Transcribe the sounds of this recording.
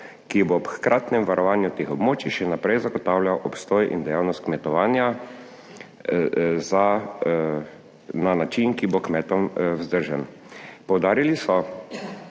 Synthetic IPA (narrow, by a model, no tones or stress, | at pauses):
kibopxkɾaːt̪nɛmʋaɾʔɔʋaːnjut̪eːxɔbmoːt͡ʃiʃɛnapɾɛjzaɡɔt̪aːwlʲjawʔɔpst̪oːjʔḭnd̪ɛjawnɔst̪kmɛt̪ɔʋaːnja | za | nanat͡ʃinkibokmɛːt̪ɔmwzd̪əɾʒɛn | pɔwd̪aːɾilisɔ